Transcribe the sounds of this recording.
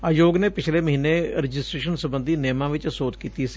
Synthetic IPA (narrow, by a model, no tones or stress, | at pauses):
aːjoːɡneːpɪt͡ʃʰleːməɦiːnːeːɾɪd͡ʒɪsʈɾeːʃənsəbə̃nd̪ʱiːneːmãːʋɪt͡ʃsoːt̪kiːt̪isi